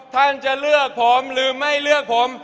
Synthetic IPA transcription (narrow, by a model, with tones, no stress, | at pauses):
t̪ʰa˥˩nt͡ɕa˧lɯ˥˩ək̚pʰo˨˦mɾɯː˨˦ma˥˩jlɯ˥˩ək̚pʰo˨˩˦m